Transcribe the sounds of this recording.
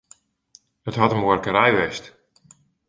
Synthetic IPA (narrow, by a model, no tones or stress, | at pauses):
ətɦɔtəmoərkəɾɛjʋɛst